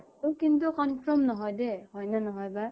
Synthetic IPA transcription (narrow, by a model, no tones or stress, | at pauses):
ukint̬ukɔnpʰɹɔmnɔɦɔjdɛhɔjnanɔɦɔjba